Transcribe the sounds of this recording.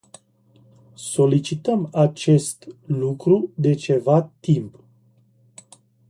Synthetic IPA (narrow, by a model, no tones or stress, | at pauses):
so̞lit͡ʃit̪əmat͡ʃe̞st̪lukɾud̪e̞t͡ʃe̞vat̪imp